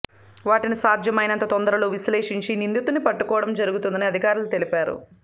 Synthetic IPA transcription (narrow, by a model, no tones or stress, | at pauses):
ʋaːʈinisaːd̪ʱjɐmɐjnɐnt̪ɐt̪ond̪ɐɾɐloːʋisleːʂiɲt͡ʃinind̪ut̪unipɐʈːukɔːʋɽɐmd͡ʒɐɾuɡut̪und̪ɐniɐd̪ʱikaːɾulut̪e̞lipaːɾṵ